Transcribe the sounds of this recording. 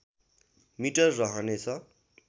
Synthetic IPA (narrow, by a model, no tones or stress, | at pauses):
miʈʌrːʌɦʌnet͡sʰʌ